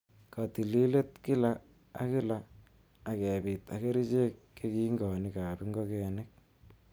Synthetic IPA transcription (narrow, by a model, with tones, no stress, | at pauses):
ka˨ti˨li˦le˦tki˦la˦ | a̰˦kɪ˦laː˨ | kɛ˨bi˨ta̰˨ke˦ɾi˦t͡ʃe˦kːe˦ki˦ŋɡɔ˨ni˦ka˨pi˦ŋɡo˦kɛ˨nɪ˦k̚